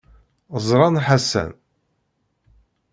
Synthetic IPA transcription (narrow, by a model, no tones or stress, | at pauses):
zˤɾˤɑnħasːæ̰n